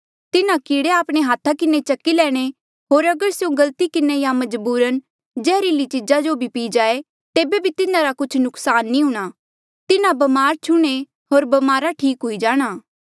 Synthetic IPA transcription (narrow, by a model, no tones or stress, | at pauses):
t̪ɪnãkiːɽeaːpɽ̃eɦaːt̪ʰakɪnet͡ʃɐkːilɛːɽ̃e | ɦoːɾɐɡəɾseũɡɐlt̪ikɪnejamɐd͡ʒbuːɾən | d͡ʒɛːɾiːlit͡ʃɪd͡ʒad͡ʒobʱipiːd͡ʒaːe | t̪eːbebʱit̪ɪnãɾakʊt͡ʃʰnʊksaːnːĩɦʊɽ̃aː | t̪ɪnabɐmaːɾt͡ʃʰʊɽ̃e | ɦoːɾbɐmaːɾaʈʰiːkɦʊid͡ʒaːɽ̃aː